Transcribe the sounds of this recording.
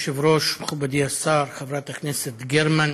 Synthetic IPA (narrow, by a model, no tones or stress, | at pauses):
ʃɪvɾoːʃmxabad̪iasɑːɾˤxavɾˤɑːt̪akneːset̪ɡeɾman